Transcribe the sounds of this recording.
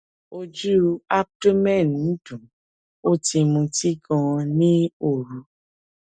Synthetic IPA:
o˧d͡ʒu˦a˦b̚to˦mɛ̃˦˨nũ˨˦d̥ũ˨ | o˦ti˧mũ˧ti˦ɡɔ̃˧nĩ˦o˦˨ɾu˨˦

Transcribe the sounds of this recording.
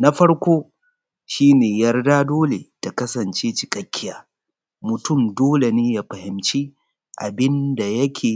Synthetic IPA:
na˦ɸɐ˦ɽkʷoː˦ | ʃiː˦neː˨jɐ˦rdaː˦doː˦le˨ta˨kɐ˦sɐ˨nt͡ʃeː˦t͡ʃɪ˨kʼɐ˦kʲːɪ˦jaː˦ | mʊ˨tʊ˦˨mdoː˦le˨neː˦jaː˦ɸɐ˨hɪ˨mt͡ʃi˦ | ʔa˨bɪ˦nda˨jɐ˦kʲʰeː˨

